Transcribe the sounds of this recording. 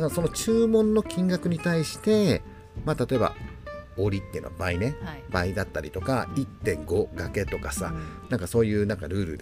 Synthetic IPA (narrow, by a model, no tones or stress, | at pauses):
kso̞no̞t͡ɕɨːmõ̞nːo̞kʲĩŋɡakɯ̟ɲ̟it̪aiɕi̥t̪e̞ | mat̪at̪o̞e̞ba̰o̞ɾʲit̪ːe̞jɯ̟na̰baine̞baid̪at̪ːaɾʲit̪o̞kait̪ːẽ̞ŋɡo̞ɡake̞t̪o̞kasanãŋkaso̞ːjɯ̟ːnãŋkaɾɯ̟ːɾɯ̟d̪